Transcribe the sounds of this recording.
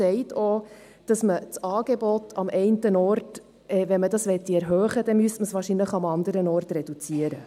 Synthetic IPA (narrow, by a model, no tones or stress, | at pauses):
sɛɪtʰo | d̥ɑsmət͡sɑːɡ̥ebɔtʰɑmʔɛɪntənɔɾt | ɛːʋɛnmədɑsʋɛt̪ːiɛɾɦøːχədɛmyəstməsʋɑːɾʃinləχɑmɑnd̪əɾənɔːrtrɛd̥ut͡siəɾə